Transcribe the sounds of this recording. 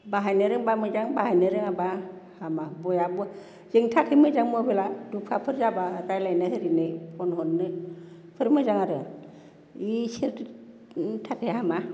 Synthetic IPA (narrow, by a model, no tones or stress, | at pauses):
baɦajnɯɾɯŋbamɯzaŋbaɦajnɯɾɯŋabahamabɔjabu | z̥eŋtʰakʰemɯzaŋmɔbeladupʰapʰɯɾzabatajlajnɯhɯɾinɯpʰɔnɦɔnːɯ | pʰɯɾmɯzaŋaɾɯ | iseɾ | tʰakʰejɦama